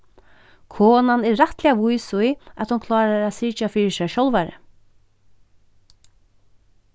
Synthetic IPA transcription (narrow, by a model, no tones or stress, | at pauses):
kʰoːnanɛːaht̪lɛaʋujsʊjat̪hʊnkʰlɑːɾaæd̪sɪːt͡ʃafiːɹɪsɛʃɔlʋaɾə̰